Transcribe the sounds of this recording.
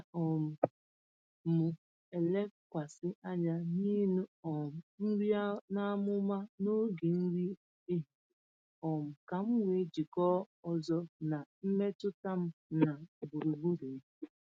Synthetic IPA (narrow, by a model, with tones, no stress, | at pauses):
ɔ˨m̩˨ | mʊ˨ | e˨le˦kʷa˨sɪ˦ʔa˦ɲa˦niː˦nu˦ɔ˨m̩˨n̩˦ɾi˦na˦mʊ˦ma˦no˦ɡe˨n̩˦ɾi˦ | e˦ɦi˨ | ɔ˨m̩˨ka˨m̩˦wʷe˨d͡ʒi˨kɔ˦ | ɔ˨zɔ˦na˨m̩˦me˦tʊ˦ta˦m̩˦na˨bu˨ɾu˨ɡ͡bu˦ɾe˨˦